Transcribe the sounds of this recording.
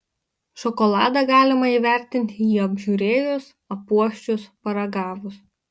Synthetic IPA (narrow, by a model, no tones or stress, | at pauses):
ʃɔkɔlˠɑːd̪ɑɡɑːlʲɪmɐiːʋʲæˑɾʲt̪ʲɪnʲt̪ʲɪjiːɐbʲʒʲuːɾʲeːjos | ɐpuɔʃʲt͡ʃʲʊspɐɾɐɡɑːʋʊs